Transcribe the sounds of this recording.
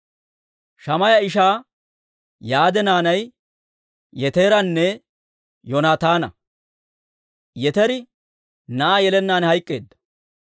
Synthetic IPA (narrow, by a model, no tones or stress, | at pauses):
ʃɐmɐjɐɪʃaː | jaːd̪ɛnaːnɐj | jɛt̪e̞ːɾɐnːɛ | jɔnaːt̪aːnɐ̰ | jɛt̪ɛɾɪ | nɐʔaːjɛlɛnːaːnhɐjkʼːe̞̰ːd̪ːɐ̥